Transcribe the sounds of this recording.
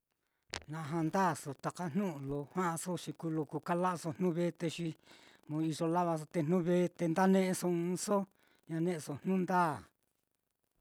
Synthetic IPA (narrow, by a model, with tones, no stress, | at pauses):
nã˨˧ɦã˧nd̪aː˦˨so˨t̪a˨ka˦n̥nũ˦ʔlo˧hwã˦ʔa˧so˦ʃi˧ku˧lo˧ku˧ka˦la˦˧so˧n̥ũ˦βe˦t̪e˧ʃi˧mõ˧i˧ʐo˧la˦βa˧s̬o˧t̪e˧nnũ˦βe˦t̪e˧nd̪a˦nẽ˦ʔẽ˧so˧ɨ̃˧so˦ | ɲã˧nẽ˦ʔe˧so˧n̥nũ˦nd̪aː˦˨